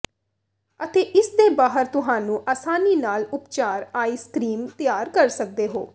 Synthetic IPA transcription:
ət̪eːʔɪsd̪eːbaːɦəɾt̪ʊɦaːnũːʔaːsaːniːnaːlʊpt͡ʃaːɾaːiːskɾiːmt̪ɪjaːɾkəɾsək̚d̪eːɦo̰ː

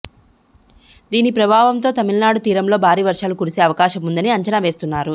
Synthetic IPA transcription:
d̪iːnipɾɐbʱaːʋɐmt̪o̞ːt̪ɐmilnaːɽut̪iːɾɐmlo̞ːbʱaːɾiːʋɐɾʂaːlukuɽise̞ːɐʋɐkaːʃɐmund̪ɐniɐɲt͡ʃɐnaʋe̞ːst̪unːaːɾu

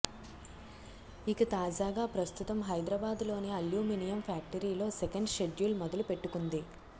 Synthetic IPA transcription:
ikɐt̪aːd͡ʒaːɡaːpɾɐst̪ut̪ɐmɦɐjd̪ɾɐbaːd̪lo̞ːneɐljuːminijɐmpʰjaːk̚ʈɐɾiːlo̞ːsekɐɳɖʃe̞ɖjuːlmɔd̪ɐlupe̞ʈːukund̪i

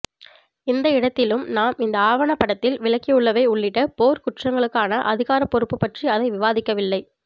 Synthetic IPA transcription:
ɪnd̪ɐɪɽɐt̪ːɪlɯmnaːmɪnd̪ɐaːʋɐɳɐpːɐɽɐt̪ːɪlʋɪɭɐkːɪjɯɭːɐʋɐɪʊɭːɪʈːɐpoːɾkʊʈrɐŋɡɐɭɯkːaːnɐʔɐðɪɣaːɾɐpːɔɾɯpːɯpːɐʈriɐðɐɪʋɪʋaːðɪkːɐʋɪlːɐɪ

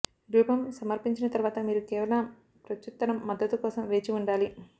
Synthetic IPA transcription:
ɡ̪ɾuːpɐmsɐmɐɾpiɲt͡ʃinɐt̪ɐɾuʋaːt̪ɐmiːɾukeːʋɐlɐm | pɾɐt͡ʃːut̪ːɐɾɐmːɐd̪ːɐt̪ukɔːsɐmʋe̞ːt͡ʃiuɳɖaːli

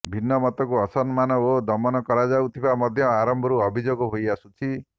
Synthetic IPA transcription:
bʱinːɔmɔt̪ɔkuɔsɔnmanɔod̪ɔmɔnɔkɔɾad͡ʒawt̪ʰibamɔd̪ʱjɔaɾɔmbʱɔɾuɔbʱid͡ʒoɡɔɦojasut͡ʃʰi

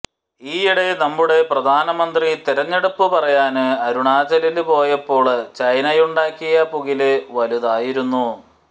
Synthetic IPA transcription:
iːiɽe̞nɐmːuɽe̞prɐd̪ʱaːnɐmɐnd̪rit̪iɾɐɲːeɽupːɨpɐrɐjaːnɨɐɾuɳaːd͡ʑɐlilpo̞ːjɐpːo̞ːɭt͡ɕɐjnɐjuɳɖaːkːijɐpuɣilɨʋɐluðaːjiɾunːu

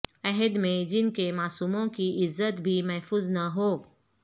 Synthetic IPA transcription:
ɐɦɛd̪mẽd͡ʒɪnkemaːsuːmõkiɪzːət̪bʱimɐɦfuːznɐɦoː

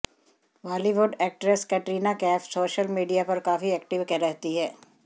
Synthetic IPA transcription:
ʋaːliʋʊɖɛːk̚ʈɾeskɛʈɾiːnakɛːfsoːʃəlmiːɖijapɐɾkaːfiɛːkʈɪʋkɛɾɛɦt̪iɦɛː

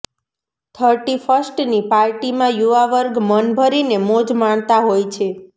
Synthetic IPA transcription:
t̪ʰəɾʈifəsʈnipaɾʈimãjuʋaʋəɾɡmənbʱəɾinemod͡ʒmaɳt̪aɦojt͡ʃʰe

